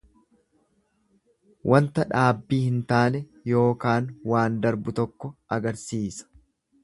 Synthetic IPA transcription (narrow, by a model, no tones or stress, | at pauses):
wʔɐnt̪ɐᶑaːbːiːhɪnt̪aːnɛ | jo̞ːkaːnwaːnd̪ɐɾbʊt̪ɔkːɔʔɐɡɐɾsiːsɐ̥